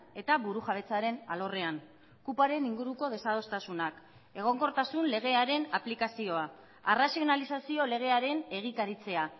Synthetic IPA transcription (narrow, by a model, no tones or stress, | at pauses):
e̞t̪aβuɾuʝaβ̞e̞t͡saɾe̞na̰lo̞re̞an | kupaɾe̞niŋɡuɾuko̞ð̞e̞sað̞o̞st̪asunak | e̞ɣ̞o̞ŋko̞ɾt̪asunle̞ɣ̞e̞aɾe̞naplikasio̞a | arasio̞nalisasio̞le̞ɣ̞e̞aɾe̞ne̞ɣ̞ik̪aɾit͡se̞a